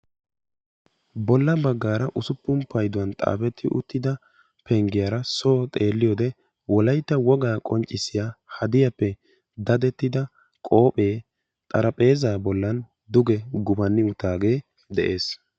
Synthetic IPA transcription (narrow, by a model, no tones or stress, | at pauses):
bɔlːɐbɐɡːaːɾɐʔʊsʊpːʊmpɐjd̪ʊwɐnt̪ʼa̰ːfɛt̪ʰːɪʔʊ̰t̪ːɪd̪ɐ | pʰɛŋɡɪjaɾɐsoːt̪ʼe̞ːlːɪjoːd̪ɛ | wɔlɐjt̪ːɐwɔɡaːkʼɔnt͡ʃʼːɪsɪjahɐd̪ɪjɐpːɛ | d̪ɐd̪ɛt̪ːɪd̪ɐ | kʼo̞ːpʼe̞ː | t̪ʼɐɾɐpʼe̞ːzaːbɔlːɐn | d̪ʊɡɛɡʊbɐnːɪʊt̪aːɡe̞ː | d̪ɛʔe̞ːs